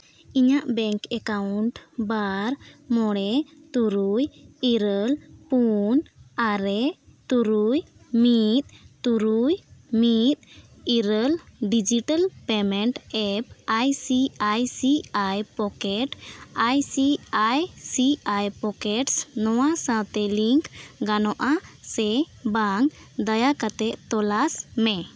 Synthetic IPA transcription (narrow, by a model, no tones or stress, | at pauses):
iɲaʔbɛŋkɛkawɳʈbaɾmɔɽɛ | t̪uɾujiɾəlpunaɾɛt̪uɾuj | mit̪̚t̪uɾujmit̪̚ | iɾəlɖid͡ʒiʈalpɛmɛɳʈɛp̚ajsiajsiajpɔkɛʈajsiajsiajpɔkɛʈsnɔwasãt̪ɛliŋkɡanɔʔasɛ | baŋ | d̪ajakat̪ɛʔt̪ɔlasmɛ